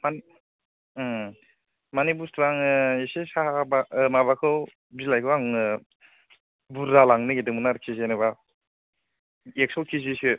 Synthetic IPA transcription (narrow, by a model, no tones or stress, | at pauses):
man | manibustʰuɾaŋɯesesabamabakʰɯw | bilajkʰɯwaŋɯ | buɾːalaŋnɯɡedɯŋmunaɾkʰizenɯβa | ek̚sɔwkʰizisɯ